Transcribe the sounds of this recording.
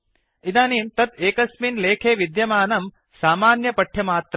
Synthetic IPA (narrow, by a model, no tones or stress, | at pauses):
id̪aːniːmt̪ɐt̪eːkɐsminleːkʰeːʋid̪jɐmaːnɐm | saːmaːnjɐpɐʈʰjɐmaːt̪ɾɐ